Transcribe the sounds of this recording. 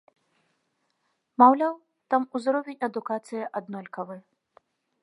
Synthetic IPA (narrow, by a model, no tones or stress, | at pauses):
mawlʲaw | t̪amuzɾɔvʲenʲɐd̪ukat̪sɨjɐʔad̪nɔlʲkɐvɨ